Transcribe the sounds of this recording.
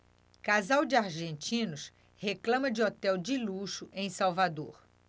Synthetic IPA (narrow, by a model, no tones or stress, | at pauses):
kazawd͡ʒɪaɾʒẽnt͡ʃĩnʊs | heklɐ̃mɐd͡ʒɪot̪ɛwd͡ʒɪluʃʊʔẽj̃sawvad̪o̰ɾ